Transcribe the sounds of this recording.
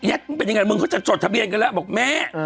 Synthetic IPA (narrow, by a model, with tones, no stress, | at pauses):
jɛ˦˥˩k̚ːpe˧nː˧a˧ŋa˧jmɯ˧ŋkʰa˦˥t͡ɕa˨˩t͡ɕo˨˩t̪̚ʰa˧bi˧ənka˧nlɛ˦˥bɔː˨˩k̚mɛː˦˥˩